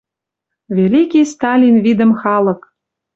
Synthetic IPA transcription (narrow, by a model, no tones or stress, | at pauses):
vʲelʲikʲijst̪ɑlʲinvid̪ə̆mxɑlɤ̆k